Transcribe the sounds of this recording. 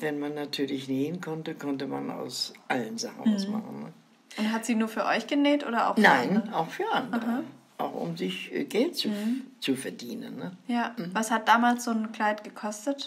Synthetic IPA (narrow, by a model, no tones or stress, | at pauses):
vɛnmanːatʰyːɐlɪçneːənkʰɔntəkʰɔntəma̰na̰ʊsʔalənzaχn̩sma̰χn̩nə | ʊnthatz̥iːnuːɐfyːɐʔɔʏçɡ̥əneːtʔo̰ːdɐʔa̰ʊxnaɪnəaʊxfyːɐʔandəʁəaʔaʊxʊ̰mzɪçɡɛlt̚t͡sut͡sufɛɐdiːnənːəjaːvashat̚d̥aːmaːlsz̥oːnkl̥aɪtɡ̥əkʰɔstət